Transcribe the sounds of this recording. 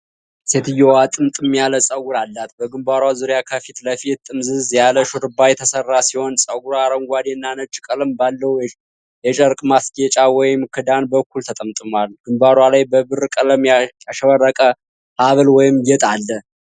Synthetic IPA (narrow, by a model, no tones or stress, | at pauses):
se̞t̪ɨjːɛwat̪ʼɨmt̪ʼɨmjaləsʼəɡuɾalːat̪bəɡɨmbaɾwazuɾjakʰəfit̪ləfit̪ʼːɨmzɨzjaləʃuɾɨbajɛt̪ʰəsərːasiho̞nsʼəɡuɾaɾəŋɡʷad̪jɛnːanət͡ʃʼɪkʼəlɨmbalːəw | jɛt͡ʃʼəɾkʼmasɡet͡ʃʼawɔjɪmkʰɨd̪anbəkːult̪ʰət̪ʼəmt̪ʼɨmalɡ̥ɨmbaɾwalajbəbɨrkʼələmjjaʃəβərːəkʼə | haβəlwɔjɪmjɛt̪ʼalːə